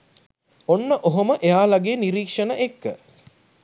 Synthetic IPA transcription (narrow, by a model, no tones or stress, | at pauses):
onːəʔoɦoməʔejaːlaɡeːniɾiːkʂənəʔekːə